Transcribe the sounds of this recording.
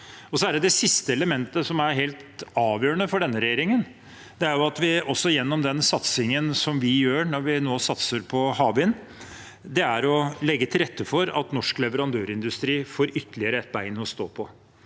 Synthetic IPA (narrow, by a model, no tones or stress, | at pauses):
ɔsɔæɖɛd̪ɛsɪst̪əɛləmɛnt̪əsɔmæɾɦeːlt̪ɑːʋjøːɾəɳəfɔɖɛnːəɾɛjeːɾɪŋən | d̪̥ɛæɾjʊɑt̪ʋɪɔsːɔjɛnːɔmd̪ɛnsɑt̪sɪŋənsɔmʋɪjøːɳɔɾʋɪnoːsɑt̪səɾpʰɔhɑːbɪn | d̪ɛæɾɔlɛɡːət̪ʰɪlɾɛt̪ːəfɔɾɑ̰t̪nɔʂklɛʋəɾɑnd̪øːɾɪnd̪ʉst̪ɾiːfoːɾʏt̪ːəlɪəɾəɛt̪̚bæɪnɔst̪o̰ːpʰɔ